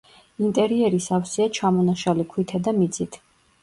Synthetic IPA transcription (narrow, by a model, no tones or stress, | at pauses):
int̪ʼɛɾiɛɾisafsiat͡ʃʰamɔnaʃalikʰwit̪ʰɛd̪amid̪sʰʼit̪ʰ